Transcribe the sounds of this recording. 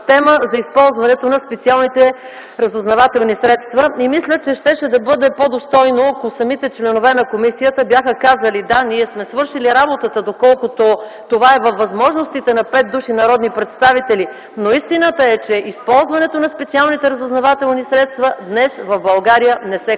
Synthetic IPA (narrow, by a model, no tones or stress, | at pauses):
t̪ɛməzɐispɔlˠzvɐnɛt̪onɐspɛt̪sialˠnit̪ɛ | ɾɐzʊznɐvat̪ɛlˠnisɾɛt̪st̪vɐimislʲət͡ʃɛʃt̪ɛʃɛd̪ɐbɤd̪ɛpod̪ost̪ɔjnoɐkosɐmit̪ɛt͡ʃlɛnovɛnɐkomisijət̪əbjaxəkazəlid̪aniɛsmɛsvɤɾʃiliɾabot̪ət̪əd̪okɔlˠkʊt̪o | t̪ovaɛvɐfːɐzmɔʒnost̪it̪ɛnɐpɛt̪̚d̪uʃinɐɾɔd̪nipɾɛt̪st̪avit̪ɛli | noist̪inət̪əɛt͡ʃɛʔispɔlˠzvɐnɛt̪onɐspɛt̪sialˠnit̪ɛɾɐzʊznɐvat̪ɛlˠnisɾɛt̪st̪vɐd̪nɛsvɐvbɐlˠɡaɾijənɛsɛ